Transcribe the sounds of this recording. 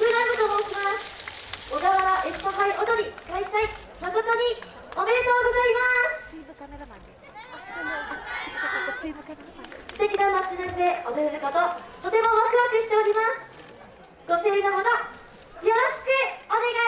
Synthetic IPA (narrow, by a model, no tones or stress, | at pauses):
sɯɾambɯt̪omo̞ːɕimasɨ̥oɡaβaβaʔest̪okaiʔo̞t̪o̞ɲ̟ikaisai | maɡot̪oɲ̟i | ome̞ɾet̪o̞ːɡo̞zaimasɨ̥ | sɨ̥t̪e̞kʲinamat͡ɕinanɯd̪e̞od̪eɾeɾɯ̟kot̪o̞t̪o̞t̪e̞mo̞βakɯ̟βakɯ̟ɕi̥t̪e̞o̞ɾʲimasɨ̥ | ɡ̥o̞se̞ːnaɦoɡa | jo̞ɾoɕi̥kɯ̟o̞ne̞ɡa